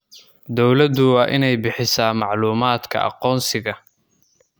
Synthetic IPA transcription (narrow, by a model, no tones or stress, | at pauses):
d̪ɔwlɐd̪ʊwɑːʔɪnɛjbɪħɪsaːmɑʕluːmaːd̪kʰɐ̰ʔɑ̰qɔːnsɪɣɐ